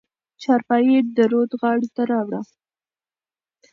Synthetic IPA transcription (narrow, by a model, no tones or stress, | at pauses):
t͡ʃɑɾpɑjed̪əɾod̪ɣɑɽit̪aɾɑwɽa